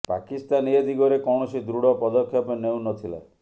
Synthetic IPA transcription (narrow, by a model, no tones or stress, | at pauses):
pa̰kist̪anied̪iɡɔɾekɔwɽ̃ɔsid̪ɾuɽɔpɔd̪ɔkʰːjapeneũnɔt̪ʰila̰